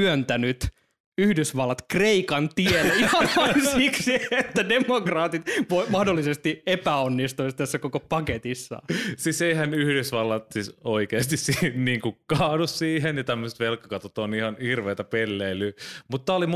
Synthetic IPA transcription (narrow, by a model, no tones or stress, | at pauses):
ønt̪ænyt̪ | yhdysʋɑlːɑt̪kreikɑnt̪ielihɑnɑnsiksiet̪ːædemokrɑːt̪it̪ʋoimɑhdolːisest̪iepæonːist̪uist̪æsːækokopɑket̪isːɑ̰siːseihænyhdysʋɑlːɑt̪sisoikeːst̪issinniːŋkukɑːdussiːhenjɑt̪æmːøset̪ʋelkːɑkɑt̪ot̪onihɑnhirʋeːt̪æpelːeilːˑymut̪t̪ːɑolim